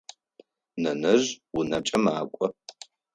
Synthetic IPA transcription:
nɐnɨʒwunɐʈ͡ʂʼɐmaːkʷʼɔ

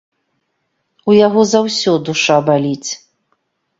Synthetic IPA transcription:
ujaɣɔzawsʲɔd̪uʂabalʲit͡sʲ

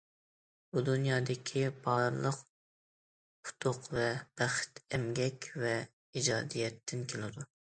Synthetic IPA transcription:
bud̪unjɑːd̪ɪkʲʰibɑɾlˠəq | pʰʊ̥t̪ʰʊqvɛb̥æχt̪ʰɛmɡʲɛkʲvɛ | id͡ʒɑːd̪ijɛt̪ʰːɪnkʲʰelɪd̪u

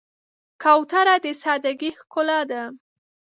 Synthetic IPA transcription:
kawt̪aɾad̪əsɑd̪aɡixkʊlad̪a

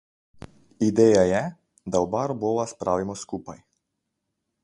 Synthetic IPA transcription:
id̪ɛjajɛ | d̪aɔbaɾɔbɔlˠaspɾavimɔskupaj

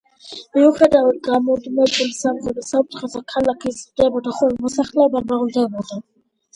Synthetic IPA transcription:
miuχɛd̪avad̪̚ɡamɔd̪mɛbulisamχɔd̪asaut̪χazakʰalakʰizɾd̪ɛbɔd̪aχɔlmɔsaχlɛbaɾmaʁuld̪ɛbɔd̪a

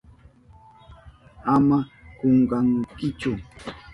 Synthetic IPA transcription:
amakoɴɢɑŋkɪt͡ʃʊ

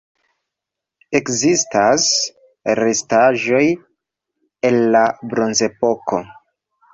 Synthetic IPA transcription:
e̞kzistas | re̞staʒo̞j | e̞nlabɾo̞nze̞po̞ko̞̰

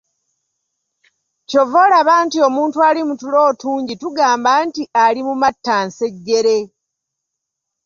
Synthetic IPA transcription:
co̞vo̞laβaːntio̞muːntuaːlimutulo̞ːtuːɲɟituɡaːmbaːntiʔalimumatːanse̞ɟːe̞ɾe̞

